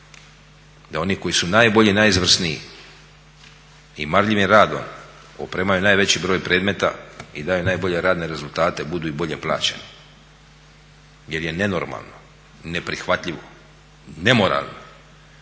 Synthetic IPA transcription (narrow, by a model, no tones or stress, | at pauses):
d̪ao̞niko̞jisunaːjbo̞ʎinajizʋr̩sniḭ | imaɾʎiʋimɾaːd̪o̞̰m | opɾeːmajunaːjʋe̞t͡ɕibɾo̞ːjpɾe̞ːd̪me̞t̪a̰id̪aːjunaːjbo̞ʎe̞ɾaːd̪ne̞ɾe̞zulˠt̪aːt̪e̞bud̪uːibo̞ʎe̞plˠa̰ːt͡ɕe̞ni | je̞ɾje̞ne̞no̞ɾma̰lˠno̞̰ | ne̞pɾixʋat̪ʎiʋo̞ | ne̞mo̞ɾa̰lˠno